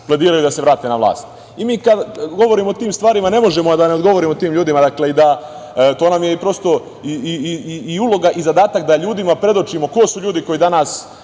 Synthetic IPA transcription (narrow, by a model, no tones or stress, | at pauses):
plˠed̪iːɾajud̪aseʋɾaːt̪e̞naʋlˠa̰ːst̪ | imiːkad̪ɡo̞ʋo̞ɾimoot̪iːmst̪ʋaːɾimane̞mo̞ʒe̞moad̪ane̞od̪ɡo̞ʋo̞ɾimot̪iːmʎuːd̪imad̪akle̞id̪a | t̪oːnamjeipɾo̞st̪o̞ | iiiiulo̞ɡaʔizad̪aːt̪ak̚d̪aʎuːd̪imapɾe̞d̪o̞t͡ʃimo̞ko̞suʎuːd̪iko̞jid̪anaːs